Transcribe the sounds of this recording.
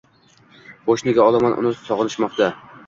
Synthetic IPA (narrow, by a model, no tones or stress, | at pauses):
boʃnɪɡʲaɒlˠamanʔʊ̰nɪsɒʁɨnɪʃmɒqt̪ʰa